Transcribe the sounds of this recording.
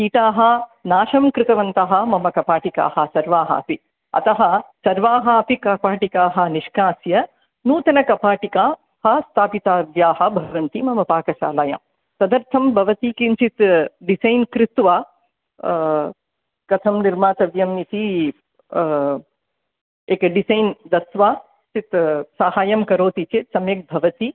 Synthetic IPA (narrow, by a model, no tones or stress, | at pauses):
kiːʈaːɦɐ̆naːʃɐmkɾɪt̪ɐʋɐnt̪ɐɦɐ̆mɐmɐkɐpaːʈika̰ːhɐ̆sɐɾʋaːɦɐ̰ːpi | ɐ̰t̪ɐɦɐ̆sɐɾʋaːɦɐɐpikɐpaːʈikaːɦɐ̆niʃkaːsjɐ | nuːt̪ɐnɐkɐpaːʈikaː | hɐ̆st̪ʰaːpit̪aːʋjaːɦɐ̆bʱɐʋɐnt̪imɐmɐpaːkɐʃa̰ːlɐjɐ̰m | sɐd̪ɐɾt̪ʰɐmbʱɐʋɐt̪iːkint͡ʃit̪ɖisɐjnkɾɪt̪ʋaː | kɐt̪ʰɐmniɾmaːt̪ɐʋjɐmnit̪i | ekɖisɐjnd̪ɐsʋaː | sit̪saːɦaːjɐmkɐɾoːt̪it͡ʃet̪sɐmjɐk̚bʱɐʋɐt̪i